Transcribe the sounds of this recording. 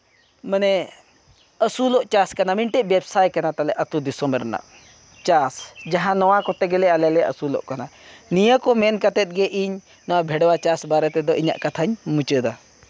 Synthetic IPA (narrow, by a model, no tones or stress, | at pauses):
mənɛ | əsulɔʔt͡ʃaskanamiɳʈɛʔ̚bɛbsajkanat̪alɛʔət̪ud̪isɔmɛɾɛna̰ʔ | t͡ʃasd͡ʒaɦãnɔwakɔt̪ɛɡɛlɛalɛlɛʔə̰sulɔ̰ʔkananijəkɔmɛnkat̪ɛt̪̚ɡɛʔiɲ | nɔwabʱɛɽwat͡ʃasbaɾɛt̪ɛd̪ɔʔiɲa̰ʔkat̪ʰaɲmut͡ʃəd̪a